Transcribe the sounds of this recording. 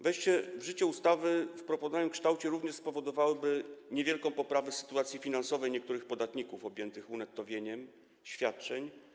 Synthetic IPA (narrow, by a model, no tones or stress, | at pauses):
vɛjɕt͡ɕɛvʐɘt͡ɕɛust̪avɘfpɾɔpɔd̪aj̪ɛmkʂt̪awt͡ɕɛɾuvɲɛʂspɔvɔd̪ɔvawɘbɘɲevʲjɛlkɔ̃w̃pɔpɾavɛsɘ̥t̪uat̪sʲifʲinansɔvɛjɲɛk̚t̪uɾɘxpɔd̪at̪ɲikufɔbʲjɛnt̪ɘxunɛt̪ːɔvʲjeɲɛm | ɕfʲjat̪̚t͡ʂɛɲ